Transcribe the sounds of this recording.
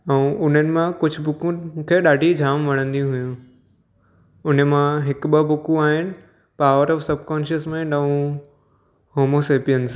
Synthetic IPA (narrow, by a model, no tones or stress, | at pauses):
ɛ̃ʊn̤ənɪ̆mãkʊd͡ʑʱbʊkũkʰeːɗaːɖʱid͡ʑʱaːmʋɐɽ̃ə̃nd̪iũɦʊjũ | ʊn̤əmãɦɪkɓəbʊkũaːɦɪnɪ̆ | paːʋəɾɔːfsɐb̚ʱkɔːnʃəsmẽnɖə̃ũ | hoːmoseːpijəns